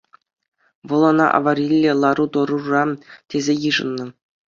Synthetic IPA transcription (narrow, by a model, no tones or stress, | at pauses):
ʋɤ̆lˠonɑ̰ʔɑ̰ʋɑɾʲilʲːĕlˠɑɾut̪ŏɾurɑtʲezʲejɯʐɤ̰̆nːɤ̆